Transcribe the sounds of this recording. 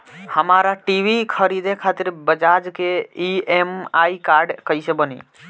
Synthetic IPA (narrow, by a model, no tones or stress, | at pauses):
həmaɾaʈiʋikʰəɾid̪ẽkʰat̪iɾbəd͡ʒad͡ʒkeiemaikaɾɖkəjsẽbənḭ